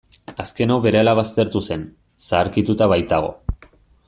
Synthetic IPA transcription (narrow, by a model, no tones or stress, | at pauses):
aske̞no̞βe̞ɾealaβ̞ast̪e̞ɾt̪use̞n | saːɾkit̪ut̪aβajt̪aɣ̞o̞̰